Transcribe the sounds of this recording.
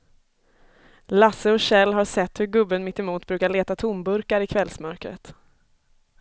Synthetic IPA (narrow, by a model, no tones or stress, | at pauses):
lasəɔɕɛlːɦaɾʂɛt̪ːhɵɾɡɵbːənmɪt̪ːɛmuːt̪bɾʉːkaɭeːt̪at̪ʰʊmbɵɾkaɾɪkʰvɛlsmœɾkɾə̰t̪